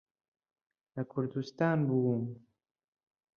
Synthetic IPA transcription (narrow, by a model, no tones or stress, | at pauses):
lakʰʊɾd̪ust̪aːnbuwum